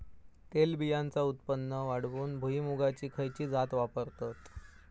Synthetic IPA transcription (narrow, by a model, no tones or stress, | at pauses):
t̪elbijant͡saut̪̚pənːəʋaɽ̤ʋuːnbʱuɦiːmuɡat͡ɕiːkʰəjt͡ɕiːd͡zat̪ʋapəɾt̪at̪